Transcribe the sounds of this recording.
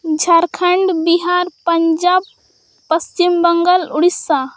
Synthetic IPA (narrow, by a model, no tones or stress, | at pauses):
d͡ʒʱaɾkʰəɳɖbiɦaɾpəɲd͡ʒaːb̚ | pəst͡ʃimbəŋɡəluɽisːa